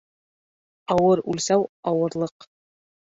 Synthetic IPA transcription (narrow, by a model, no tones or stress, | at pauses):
ɑwɤɾʉlsæwɑwɤ̆ɾlˠɤq